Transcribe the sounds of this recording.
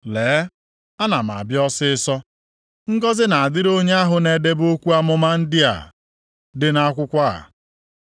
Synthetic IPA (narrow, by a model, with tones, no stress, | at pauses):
leː˨˦ | a˦na˨m˨a̰˨bjɔ˦sɪ˦ɪ˦sɔ˦ | ŋ̩˦ɡɔ˦zɪ˦na˨a˨dɪ˦ɾo˦ɲe˦a˦ɦʊ˨ne˨de˦bo˦kʷu˦a˦mʊ˦ma˦n̩˦dɪ˦a̰˨ | dɪ˦na˦kʷʊ˦kʷa˦a̰˨